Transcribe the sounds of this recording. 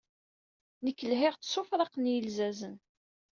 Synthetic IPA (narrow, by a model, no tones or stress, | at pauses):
nəkːəlɦɪʁt͡sːsʊfɾˤɑqnjəlzæzən